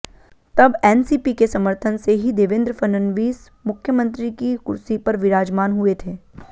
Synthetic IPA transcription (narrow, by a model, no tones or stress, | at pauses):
t̪ɐbɛːnsiːpikesɐməɾt̪ʰənseɦid̪eːʋɪ̃nd̪ɾəfɐnənʋiːs | mʊkʰjəmə̃nt̪ɾikikʊɾsipɐɾʋɪɾaːd͡ʒmaːnɦuet̪ʰeː